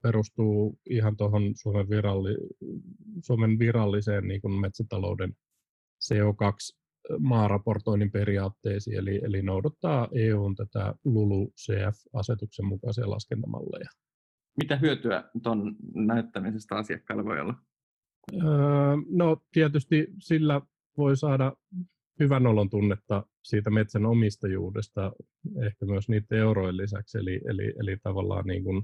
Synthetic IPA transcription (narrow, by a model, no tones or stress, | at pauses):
peɾust̪uːiɦɑnt̪oɦonsuomeʋʋirɑlːi | suomenʋirɑlːiseːnniːŋkunmet̪sæt̪ɑlo̰uden | seːokɑks | mɑːrɑport̪oinimpeɾiɑːt̪ːeːsḭːeliʔelinoudɑt̪ːɑːʔeːuːnt̪æt̪æ̰lulusḛːæfɑset̪uksemmukɑsiɑ̰lʔɑ̰skent̪ɑmɑ̰lːɑ̰jɑ | mit̪æɦyøt̪yæ̰t̪onnæyt̪ːæmisest̪æɑsiɑ̰kːɑ̰ːlʋo̰ḭo̰lːɑ | əːnot̪iæt̪yst̪isilːæ | ʋoisɑːdɑ | hyʋænolont̪unːet̪ːɑ | siːt̪æmet̪sænomist̪ɑjṵːrist̪ɑ | ehkæmyøsniːt̪euroilːisæ̰ksḛlḭʔḛlḭʔelit̪ɑʋɑlːɑ̰ːnnḭːŋkun